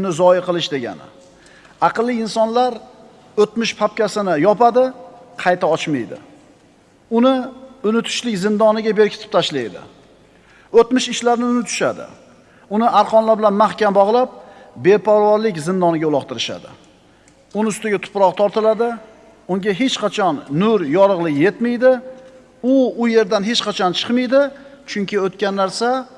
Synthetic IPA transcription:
nɪzɒɪqʰɨlˠɪʃd̪e̞ɡʲa̰nɪ̰ | ɑqɨlˠːɪɪnsɒnlaɾ | ɵt̪mɪʃpʰap̚kʲasɪnɪjɒpad̪ɪqʰɑjt̪ʰaɒt͡ʃmajd̪ɪ̰ | ʊnɪʊnɪt̪ʰʊ̥ʃlɪkʲzɪnd̪ɒnɪɡʲabe̞ɾkʲʰɪt̪ʰɪ̥p̚t̪ʰaʃlajd̪ɪ̰ | ɵt̪mɪʃɪʃlaɾnɪʊnɪt̪ʰʊ̥ʃa̰d̪ɪ̰ | ʊnɪʔaɾqʰɒnlaɾbɪlanmahkʲambɒʁlˠap̚ | be̞pʰɒɾvɒɾlɪkʲzɪnd̪ɒnɪɡʲaʊlˠɒqt̪ʰɪɾɪʃa̰d̪ɪ̰ | ʊnɪʊst̪ɪɡʲat̪ʰʊ̥pɾɒqt̪ʰɒɾt̪ʰɪlad̪ɪ | ʊŋɡʲaɦe̞t͡ʃqʰɑt͡ʃʰɒnːʊɾjɒɾɨʁlˠɪkʲje̞t̪mɪjd̪ɪ | ʊʊje̞ɾd̪anɦe̞t͡ʃqɑt͡ʃʰɒnt͡ʃʰɨ̥qmɪjd̪ɪt͡ʃʰʊŋʲkʲʰɪot̪̚kʲanːaɾsa

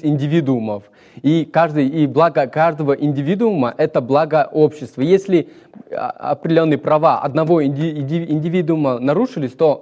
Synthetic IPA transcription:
ɪnʲdʲɪvʲid̪ʊʊməf | ikaʐd̪ɨjiblˠaɡəkaʐd̪əvəʔɪnʲdʲɪvʲid̪ʊʊməʔɛt̪əblˠaɡəʔo̞pɕːɪst̪vəjesʲlʲɪ̰ | ɐ̰pɾʲdʲɪlʲo̞nːɨjəpɾɐvaʔɐ̰d̪nɐvo̞ɪɪnʲdʲɪvʲid̪ʊʊmənɐɾuʂɨlʲɪsʲt̪o̞

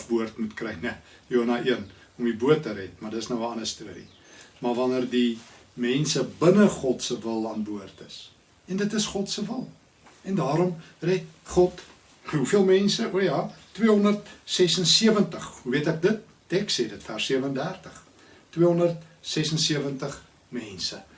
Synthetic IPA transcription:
fbuərtmutkrɛjnə | juɦɑnɐʔiən | ɔmibuətːəɾɛtmɐrdətəsnəwəɐnəstuəɾḭ | mɐrvɐnərdimɛnsəbənəχɔtsəvəlˠɑːnbuərtəs | ɛndətəsχɔtsəvəlˠ | ɛndɑːɾɔm | rɛt̚χɔt | ɦufiəlˠmɛnsəʔuəjɑːtːwiəɦɔndərtsɛsənsiəvəntəχɦuviətɛk̚dət̚ːɛkseːdətfærsiəvəəndærtəχ | twiəɦɔndərt̚sɛsənsiəvəntəχ | mɛnsə

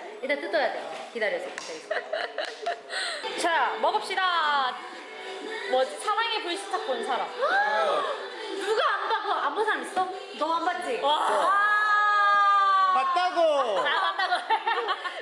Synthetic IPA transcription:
inat͈ɯt͈ʌjadekidaɾjʌsʰʌkt͈ai | t͡ɕamʌɡʌp̚ɕ͈ida | mʌsʰamaŋepoiɕʰi̥tʰak̚k͈onsʰaɾam | nuɡaːmbaɡoambosʰaŋis͈ʌ | nʌmambad͡ʑiwaa | pak̚t͈aɡoabat͈aɡo

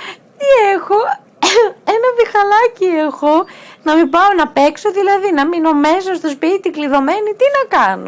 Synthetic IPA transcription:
t̪iexo̞ | e̞nɐvixɐlɐcie̞xo̞nɐmibɐonɐpe̞kso̞ðilɐðinɐmino̞me̞s̬ɐst̪o̞s̬pit̪ikliðo̞me̞nit̪inɐkɐno̰

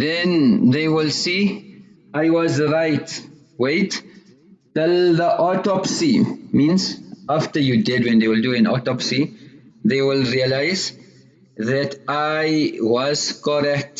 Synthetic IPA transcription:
ðɛ̃nðewilsi | ʔajwɔzɹajt | wet | tɛld̪əʔɔtɔpsimĩnzaftəjudɛdwɛ̃nðewɪlduɛ̃nɔ̰tɔpsi | ðewilɹialajz | ðɛtajwɔz̥kɔɾɛk̚t

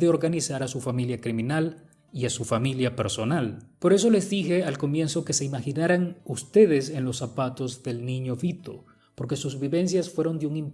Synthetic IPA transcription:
eo̞ɾɣanisaɾasufamiljakɾimĩnal | iasufamiljapeɾso̞nalpo̞ɾe̞s̬o̞le̞zðixe̞alko̞mje̞nso̞ke̞se̞imaxinaɾaŋust̪e̞ðe̞se̞nlo̞sːapat̪o̞zðe̞lnĩɲo̞fit̪o̞̰ | po̞ɾke̞suzβiβe̞ns̬jasfwe̞ɾo̞nd̪euŋimp

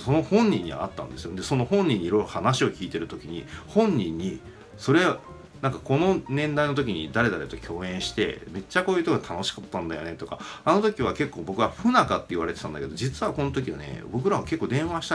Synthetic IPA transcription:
so̞no̞hõ̞ɲ̟ːĩɲ̟ːiβa̰ːt̪ːã̰nd̪e̞sɨjod̪e̞so̞no̞hõ̞ɲ̟ːĩɲ̟ːiɾo̞jɾohanaɕio̞kʲiːt̪e̞ɾɯ̟t̪o̞kʲiɲ̟ihõ̞ɲ̟ːĩɲ̟ːi | so̞ɾe̞ | nãŋkako̞no̞nẽ̞nd̪aino̞t̪okʲiɲ̟id̪aɾe̞d̪aɾe̞t̪o̞kʲo̞ːẽ̞ɰ̃ɕi̥t̪e̞̰me̞t͡ɕːako̞ːjɯ̟ːt̪okot̪ʰano̞ɕi̥kat̪ːãnd̪ajo̞ne̞t̪o̞kaano̞t̪o̞kʲiβake̞kːo̞ːbo̞kɯ̟βaɸɯ̟nakat̪ːe̞iβaɾe̞t̪e̞̥ãnd̪a̰ke̞d̪o̞d͡ʑit͡sɨβako̞not̪o̞kʲia̰ne̞̰bo̞kɯ̟ɾaβake̞kːoːd̪ẽ̞ɰ̃βaɕi̥t̪a

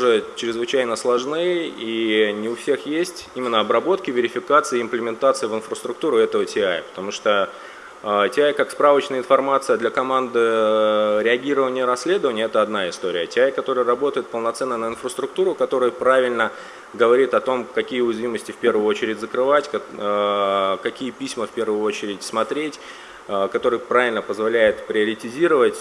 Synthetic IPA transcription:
ʊʐɛt͡ɕɾʲɪzvɨt͡ɕæjnəslˠɐʐnɨjəinʲɪʊfsʲe̞xjesʲtʲimʲɪnːəɐbɾɐbo̞t̪kʲɪvʲɪɾʲɪfʲɪkat̪sɨjɪɪmplʲɪmʲɪnt̪at̪sɨjəvɪnfɾəst̪ɾʊk̚t̪uɾʊɛt̪əvətʲɪajə̰pə̥t̪ɐmuʂt̪ə | ətʲɪajkakspɾavət͡ɕnəjəɪnfɐrmat̪sɨjəd̪lʲɐkɐmand̪ɨ | ɾʲɪɐɡʲiɾəvənʲɪjəɾɐsʲːlʲe̞d̪əvənʲɪjəɛt̪əɐd̪naɪst̪o̞ɾʲɪjətʲɪajkɐt̪o̞ɾɨjərɐbo̞t̪əjɪt̪̚pəlˠnɐt̪sɛnːənəɪnfrəst̪ɾʊk̚t̪uɾʊkɐt̪o̞ɾɨjəpɾavʲɪlʲnə | ɡəvɐɾʲit̪ɐt̪o̞mkɐkʲijəʊjɪzvʲiməsʲtʲɪfʲpʲe̞rvʊjʊo̞t͡ɕɪɾʲɪdʲzəkɾɨvatʲ | kɐkʲijəpʲisʲməfʲpʲe̞rvʊjʊo̞t͡ɕɪɾʲɪtʲsmɐt̪ɾʲetʲː | kɐt̪o̞ɾɨjpɾavʲɪlʲnəpəzvɐlʲæjɪt̪pɾʲɪɐɾʲɪtʲɪzʲiɾəvətʲ

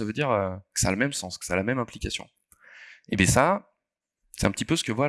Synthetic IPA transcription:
savød̪iʁøkə̥saaləmɛmsɑ̃skə̥saalamɛmɛ̃plikasjɔ̰̃ | ebɛsa | sɛ̥t̪ɛ̃pət̪ipøsə̥kəvwa

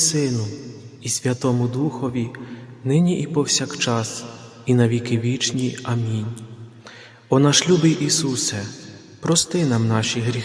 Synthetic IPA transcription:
sɪnʊisʲʋʲɐt̪ɔmʊd̪uxɔʋʲinɪnʲiʔipɔwsʲakt͡ʃɑs | inɐʋʲikɪʋʲit͡ʃnʲiɐmʲinʲ | ɔnɐʃlʲubɪjʔisusɛ | pɾɔst̪ɪnɑmnɑʃiɦɾʲi

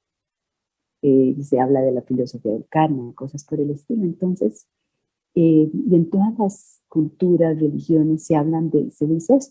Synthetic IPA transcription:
ese̞aβlaðe̞lafilo̞so̞fia̰ðelkaɾnako̞saspo̞ɾe̞le̞st̪iloe̞nt̪o̞nse̞s | eie̞nt̪o̞ðazlas | kult̪uɾasre̞lixjo̞ne̞sːe̞aβland̪e̞̰se̞ðiisees

